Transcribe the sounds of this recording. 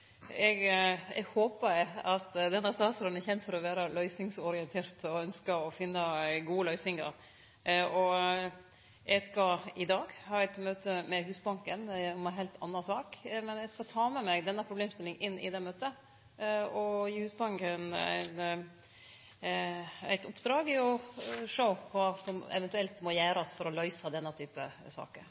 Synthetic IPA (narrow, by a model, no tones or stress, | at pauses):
ɛɡɛ̰ɡhoːpəɾɛɑt̪d̪ɛnɑst̪ɑːsɔɾənɛçɛnt̪fɔɾɔʋæːɾəlœʏsɪŋsɔɾɪɛnt̪ʰeːɾt̪ʰɔœnskəɔfɪnːəɡuːəlœʏsɪŋɑ̰ɾ | ɔ | ɛɡskɑɪd̪ɑːɡhɑːɛt̪møːt̪əmɛɦʉːsbɑŋkənɔmɛɦɛɪlt̪ʰɑnːɑsɑːkmɛnjæskɑt̪ʰɑːmɛmɛɡd̪ɛnːəpʰɾʊbleːmst̪ɪlɪŋɪnːʔɪ̰d̪ɛːmøːt̪ə | ɔjiːhʉːsbɑŋkənæ̰ɪn | æ̰ɪt̪ɔpːd̪ɾɑːɡɪɔʂəʊkɑːsɔmɛ̰ʋɛnt̪ʉɛlt̪mɔjæːɾɑsfɔɾɔlœʏsɑd̪ɛnːət̪ʰyːpə̰sɑ̰ːkəɾ